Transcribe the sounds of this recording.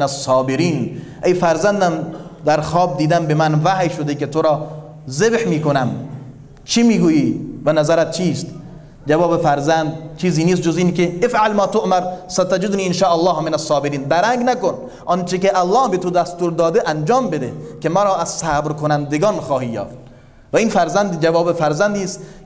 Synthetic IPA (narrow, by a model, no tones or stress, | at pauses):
næsːɑːbeɾiːnʔejfæɾzænd̪æmd̪æɾxɑːb̚d̪iːd̪æmbemænvæhjʃod̪eket̪ʰoɾɒː | zebhmiːkonæm | t͡ʃʰimiːɡuːjiːvænæzæɾæt̪̚t͡ʃʰiːst̪ | d͡ʒævɒːbefæɾzænd̪̚t͡ʃʰiːziːniːs̬t̪̚d͡ʒoziːnkeefʕalmɑːt̪oʔmæɾsæt̪æd͡ʒed̪niːenʃɑːʔælˠːɑːhmenæsːɑːbeɾiːnd̪æɾæŋɡnækon | ʔɔnt͡ʃekeʔælˠːɑːhbet̪od̪æst̪uːɾd̪ɒːd̪eʔænd͡ʒɒːmbed̪ḛkemæɾɒːʔæz̥sæːbɾkonænd̪eɡɑːnxɒːhiːjɒ̰ːft̪̚ | væiːnfæɾzænd̪d͡ʒævɒːbefæɾzænd̪iːst̪